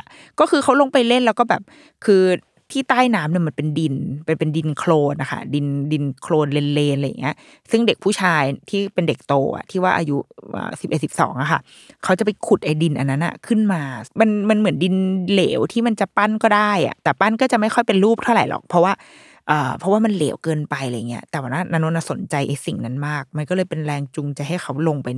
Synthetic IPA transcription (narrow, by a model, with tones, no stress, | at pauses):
kɔː˥˩kʰɯː˧kʰxʰa˦˥wlo˧ŋpa˧jle˥˩nlɛː˧˦˥wkɔː˥˩bɛː˨˩p̚ | kʰɯː˧ | t̪ʰiː˥˩t̪aː˥˩jnaː˦˥mni˥˩ma˩˧˦npe˧ndi˧npa˧npe˧ndi˧nkʰloː˧nʔa˧˩xʰa̰˥˩di˧ndi˧nkʰloː˧nle˧nleː˧nla˧jːa̰˨˩ŋːi˦˥ɐ | sɯ˥˩ŋde˨˩k̚pʰuː˥˩t͡ɕʰaː˧jt̪ʰiː˥˩pe˧nde˨˩k̚t̪oː˧ʔa̰˨˩t̪ʰiː˥˩waː˥˩ʔa̰˧ju˦˥ʔə̰ː˨˩si˨˩p̚ʔe˨˩t̪̚si˨˩p̚sɔ̰ː˩˦ŋʔa˨˩xʰa˥˩ | kʰa˦˥wt͡ɕa˨˩pa˧jkʰu˨˩t̪̚ʔa˧jdi˧nʔa˧nːa˦˥nʔa̰˨˩kʰɯ˥˩nmaː˧ma˧nma˧nmɯ˩˦ndi˧nleː˩˦wt̪ʰiː˥˩ma˧nt͡ɕa˨˩pa˥˩nkɔː˥˩daː˥˩jʔa̰˨˩t̪ɛː˨˩pa˥˩nkɔː˥˩t͡ɕa˨˩ʔma˥˩jxʰɔ˥˩jpe˧nɾuː˥˩p̚t̪ʰa˥˩wɾa̰˨˩˦jlɔ̰˨˩k̚pʰɔ˦˥waː˥˩ | ʔɤː˨˩pʰɔ˦˥waː˥˩ma˧nleː˩˦wkɤː˧npa˧jla˧ja˨˩ŋːi˦ɐt̪ɛː˨˩waː˨˩na˦˥na˦˥no˧˥na˧˥˩so˩˦nt͡ɕa˧jʔa˧jsi˨˩ŋna˦˥nmaː˥˩k̚ma˧nkɔ˥˩ɤː˧jpe˧nɾɛː˧ŋt͡ɕu˧ŋt͡ɕa˧jɦa˥˩jxʰa˦˥wlo˧ŋpa˧j